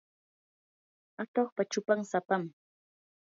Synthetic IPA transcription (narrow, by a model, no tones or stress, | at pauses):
at̪oχpat͡ʃʊpaŋsapam